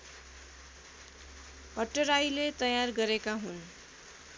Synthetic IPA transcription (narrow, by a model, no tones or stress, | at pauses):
pʌʈːʌɾajlet̪ʌjarɡʌɾekaɦun